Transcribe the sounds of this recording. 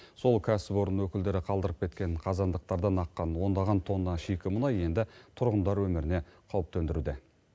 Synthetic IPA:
so̞lˠkʲʰæsɪpo̞ɾənwɵkʲɪld̪e̞ɾɪqʰɑlˠd̪əɾəp̚kʰʲe̞t̪kʲe̞ɴqʰɑzɑnd̪əq̚t̪ɑɾd̪ɑnɑqːɑnwo̞nd̪ɑʁɑnt̪ʰo̞nːɑʃikʲɪmʊnɑje̞nd̪ɪt̪ʰʊɾʁənd̪ɑɾwɵmɪɾɪne̞qʰɑwəp̚t̪ʰɵnd̪ɪɾud̪e

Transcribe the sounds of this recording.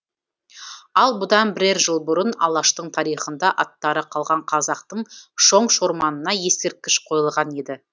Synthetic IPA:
ɑlˠbʊd̪ɑnbɪɾeɾʒəlˠbʊɾənɑ̰lˠɑʃt̪əɴt̪ʰɑɾijχənd̪ɑʔɑt̪ːɑɾəqʰɑlˠʁɑɴqʰɑzɑq̚t̪əɴʃo̞ɴʃo̞ɾmɑnənɑje̞sk̪ɪɾ̚kʲːɪʃqʰo̞jəlˠʁɑne̞d̪ɪ

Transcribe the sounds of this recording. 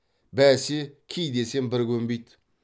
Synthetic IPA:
bæsekʲʰijd̪eseŋbɪɾkʲʰɵmbejt̪

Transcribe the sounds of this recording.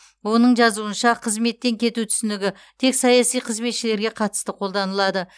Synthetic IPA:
wo̞nəɴʒɑzuənʃɑqʰəzme̞t̪ːe̞ŋkʲʰe̞t̪ut̪ʰʏ̥sɪnɪɡʲɪ | t̪ʰe̞ksɑjɑsijqʰəzme̞t̪ʃɪle̞ɾɡʲe̞qʰɑt̪ə̥st̪əqʰo̞lˠd̪ɑnəlˠɑd̪ə

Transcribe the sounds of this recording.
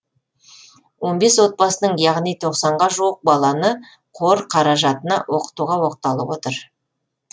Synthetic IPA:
wo̞nbe̞swo̞t̪̚bɑsənəɴjɑʁnijt̪ʰo̞qsɑɴʁɑʒuwəq̚bɑlˠɑnə | qʰo̞ɾqʰɑɾɑʒɑt̪ənɑwʔo̞qə̥t̪uʁɑwo̞qt̪ɑlˠəpwo̞t̪əɾ

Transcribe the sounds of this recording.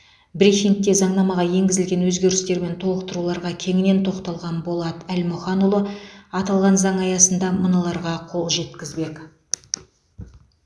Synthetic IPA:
bɾixʲiŋk̚t̪ːe̞zɑɴnɑmɑʁɑje̞ŋɡʲɪzɪlɡʲe̞nwɵzɡʲe̞ɾɪst̪e̞ɾme̞nt̪ʰo̞lˠəqt̪əɾulˠɑɾʁɑkʲʰe̞ŋɪne̞nt̪ʰo̞qt̪ɑlˠʁɑnbo̞lˠɑd̪əælmʊχɑnulˠoɑt̪ɑlˠʁɑnzɑɴɑjɑsənd̪ɑmənɑlˠɑɾʁɑqʰo̞lˠʒe̞t̪kʲɪzbe̞k

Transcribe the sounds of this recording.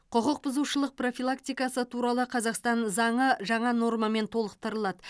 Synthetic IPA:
qʰʊqəq̚bʊzuʃəlˠəq̚pro̞filˠakt̪ijkɑsət̪ʰuɾɑlˠəqʰɑzɑqst̪ɑnzɑɴəʒɑɴɑno̞rmɑme̞nt̪ʰo̞lˠəqt̪əɾəlˠɑd̪ə

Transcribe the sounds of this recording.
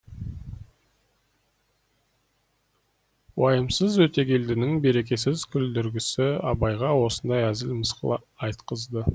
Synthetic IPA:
wɑjəmsəzwɵt̪e̞kʲʰe̞ld̪ɪnɪŋbe̞ɾe̞kʲe̞s̬ɪzkʲʰʏld̪ʏɾɡʲɪsɪɑbɑjʁɑwo̞sənd̪ɑjæzɪlməsqəlˠɑ̰ | ɑjt̪qəzd̪ə

